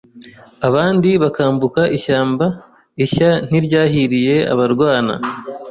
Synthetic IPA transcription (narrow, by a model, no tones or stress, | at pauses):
aβaːndiβakaːmbukaʔiʃaːmba | içan̥iɾɟaːɦiɾije̞a̰βaɾɡwaːna̰